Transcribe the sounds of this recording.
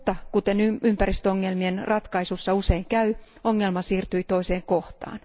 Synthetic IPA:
t̪ːɑkut̪enyympæɾist̪øoŋːelmienrɑt̪kɑisusːɑuseiŋkæyoŋːelmɑsiːrt̪yit̪o̞iseːŋkoht̪ɑ̰ːn

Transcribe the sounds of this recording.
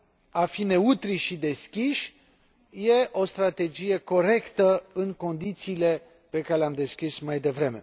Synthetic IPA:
afine̞ut̪ɾiʃid̪e̞skʲiʃ | je̞ʔo̞st̪ɾat̪e̞d͡ʒije̞ko̞ɾe̞kt̪əɨŋko̞nd̪it̪siːle̞ | pe̞kaɾeleamd̪e̞skʲismajd̪e̞vɾe̞me̞̰

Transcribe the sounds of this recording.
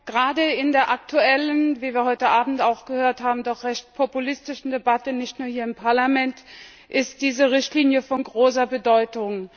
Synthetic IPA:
ɡ̥əʁaːdəɪndeːɐʔak̚tʰuɛlənviːviːɐhɔʏtəʔaːbm̩taʊxɡ̥əhøːɐthaːbm̩dɔχʁ̥ɛçt̚pʰopulɪstɪʃn̩debatənɪçtnuːɐhiːɐɪmpʰaɐlamɛnt | ʔɪst̚d̥iːzəʁɪçtliːnjəfɔnɡʁoːs̬ɐbədɔʏtʊŋ

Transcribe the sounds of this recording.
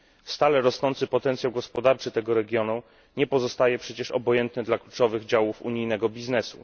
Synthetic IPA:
fst̪alɛɾɔsnɔnt̪sɘpɔt̪ɛnt̪sjawɡɔspɔd̪aɾt͡ʂɘt̪ɛɡɔɾɛɡʲjɔnu | ɲɛpɔzɔst̪ajɛpʂɛt͡ɕɛʂɔ̰bɔjɛnt̪nɘd̪laklut͡ʂɔvɘɣd͡ʑawufṵɲijnɛɡɔbʲiznɛsṵ

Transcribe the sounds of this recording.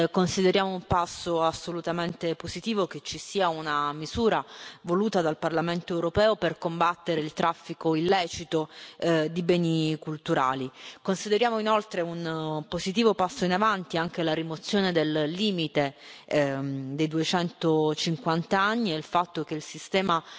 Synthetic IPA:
konsid̪eɾjaːmoumpasːoasːolut̪ament̪epozit̪iːvoket͡ʃːisiːaunamiz̥uːɾavoluːt̪ad̪alparlament̪oɛwɾopɛːoperkombat̪ːeɾeilt̪ɾʔafːikoilːɛːt͡ʃit̪od̪ibɛːnikult̪uɾa̰ːlikonsid̪eɾjaːmoinolt̪ɾeunpozit̪iːvopasːoinavant̪iaŋk̟elaɾimot̪sːjoːned̪ellːiːmit̪e | d̪ejd̪uet͡ʃɛnt̪ot͡ʃiŋkwant̪aanːiɛilfat̪ːok̟eilsist̪ɛːma

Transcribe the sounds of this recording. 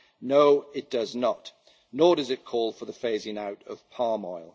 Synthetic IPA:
noʊɪt̚d̥ʌznəʔ | nɔːdʌzɪt̚kʰɔːlˠfəðəfeɪzɪ̃naʊtəv̥pʰɑːmɔɪlˠ

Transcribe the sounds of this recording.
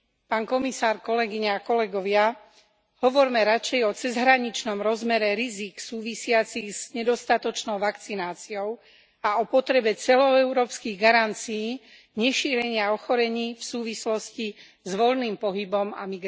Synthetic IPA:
paːnkɔmisaːɾkɔlɛɡiɲaːkɔlɛɡɔʋɪa | ɦɔʋɔɾmɛɾat͡ʃɛjɔt͡sɛzɦɾaɲit͡ʃnɔmɾɔzmɛɾɛɾiziksuːʋisɪat͡siɣz̥ɲɛd̪ɔst̪at̪ɔt͡ʃnɔʊʋakt͡sinaːt͡siɔʊ | aɔpɔt̪ɾɛbɛt͡sɛlɔɛʊɾɔːpskiɣɡaɾant͡siː | ɲɛʃiːɾɛɲɪaɔxɔɾɛɲiːfsuːʋislɔsci | zʋɔlniːmpɔɦibɔma̰miɡ

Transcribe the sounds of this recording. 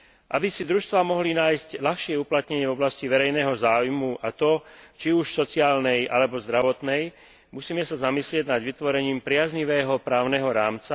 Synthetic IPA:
ʔabisid̪ɾuʃst̪ʋaːmɔɦlinaːjsclaxʃɪɛuplat̪ɲɛɲɪɛvɔblasciʋɛɾɛjnɛːɦɔzaːwjmuʔat̪ɔt͡ʃiuʃsɔt͡siaːlnɛjʔalɛbɔzd̪ɾaʋɔt̪nɛj | musiːmɛsazamislɪɛɟnad̪ʋit̪ʋɔɾɛɲiːmpɾɪazɲiʋɛːɦɔpɾaːʊnɛɦɔɾaːmt͡sa

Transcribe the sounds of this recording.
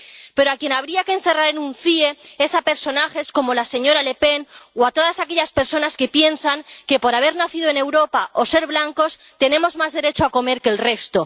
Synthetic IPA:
pe̞ɾoakje̞naβ̞ɾiaken̟θe̞raɾe̞nũnθiee̞sape̞ɾso̞naxe̞sko̞mo̞lase̞ɲo̞ɾale̞pe̞noat̪o̞ðasakeʎaspe̞ɾso̞naske̞pje̞nsaŋke̞po̞ɾaβ̞e̞ɾnaθiðoe̞ne̞wɾo̞paʔo̞se̞ɾβlaŋko̞s | t̪e̞nẽ̞mo̞zmazðe̞ɾe̞t͡ʃoako̞me̞ɾke̞lre̞st̪o̞

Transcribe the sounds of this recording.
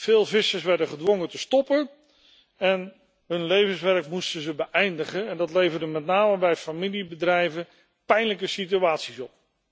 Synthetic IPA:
v̥ɪːlˠvɪsəɹsʋɛɹdəχədʋɔŋətəstɔpən | ɛn | ɦɵnlejvənsʋɛɹkmustəzəbəʔɛjndəχənɛndɑtlejvəɹdəmɛtnaːməbɛjfamilibədrɛjvən | pɛjnləkəsityaːtsisɔp̚

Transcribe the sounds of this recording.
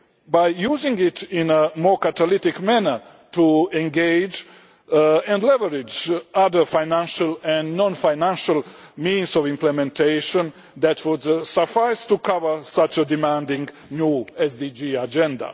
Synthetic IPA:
bajjuːzɪ̃ŋɡɪtɪ̃nəmɔːɹkat̪alɪt̪ɪkmænə˞ | t̪ʰuɛ̃ŋɡeɪd͡ʒ | ɛ̃ndlɛvəɹɪd͡ʒaðə˞fajnæ̃nʃalɛ̃nnɔ̃nfajnæ̃nʃalmĩːnsɔvĩmplɛmɛ̃nt̪ʰeɪʃə̃n | d̪ætʰwudsəfaɪstukavə˞sat͡ʃəd̪imæ̃ndɪ̃ŋɡ | njuːɛsd̪id͡ʒiad͡ʒɛ̃nd̪a̰

